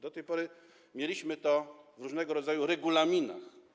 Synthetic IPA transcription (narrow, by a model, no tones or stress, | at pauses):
d̪ɔt̪ɛjpɔɾɘ | mʲjelʲiɕmɘt̪ɔvɾuʐnɛɡɔɾɔd̪zajuɾɛɡulamʲina̰x